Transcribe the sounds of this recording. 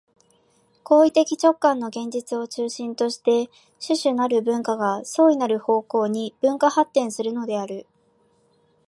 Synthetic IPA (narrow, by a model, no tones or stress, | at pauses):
ko̞ːit̪e̞kʲit͡ɕo̞kːãnːo̞ɡẽ̞ɲ̟d͡ʑit͡sɨo̞t͡ɕɨːɕĩnt̪o̞ɕi̥t̪e̞ | ɕɨɕɨnaɾɯ̟bɯ̟̃ŋkaɡaso̞ːinaɾɯ̟ho̞ːko̞ːɲ̟ib̥ɯ̟̃ŋkahat̪ːẽ̞ɰ̃sɨɾɯ̟no̞d̪e̞aɾɯ̟